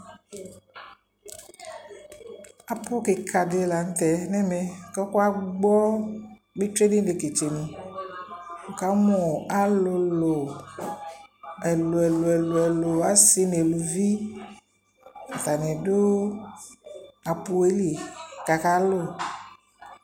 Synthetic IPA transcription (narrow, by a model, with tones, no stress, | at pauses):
a˨po˦ke˨kʰa˨de˨la˨n̩˦t̪ɛ˨nɛ˦me˨kɔ˦ko˦a˦ɡ͡bɔ˦ | be˦tɾe˦ni˦de˨ke˨t͡ʃe˨nĩ˨ | o˨ka˨˦mo˨a˦lo˨lo˨ | ɛ˨lo˨ɛ˨lo˨ɛ˨lo˨ɛ˨lo˨a˨˦si˦ne˨lo˨vi˦ | n̩˨t̪a˨nɛ̃˨do˦ | a˨pu˨e˦li˨ka˨ka˦lo˦˨